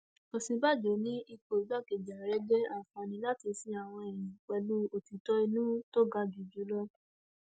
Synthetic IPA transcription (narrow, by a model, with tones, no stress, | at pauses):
o˨sĩ˧ba˦˨d͡ʒo˨˦nĩ˦i˧ko˨d͡ʒa˦˨ke˨d͡ʒa˨ɾɛ˦d͡ʒɛ˦a˦˨fɔ̃˧˦nĩ˧la˦ti˧sĩ˧˦a˦˨w̃ɔ̃˧ɛ˨j̃ĩ˨k͡pɛ˧lu˦o˨ti˨˦tɔ˦i˧nũ˦to˦ɡa˧d͡ʒi˨d͡ʒu˨˦lɔ˦